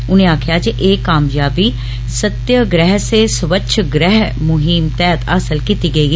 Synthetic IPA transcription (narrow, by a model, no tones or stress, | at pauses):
ʊnẽːaːkʰjaːd͡ʒiʔeːkaːmjaːbiː | sət̪jəɡɾɛːɦseːsəʋətːʃʰɡɾɛɦmʊɦiːmt̪ɛːt̪asəlkit̪iːɡəiː